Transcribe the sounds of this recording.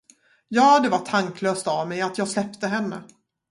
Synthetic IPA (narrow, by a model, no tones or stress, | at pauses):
jɑːd̪ɛvaʈʰaŋkløːst̪avmɛjat̪ʰjɑːɡslɛpt̪əɦɛnːə̰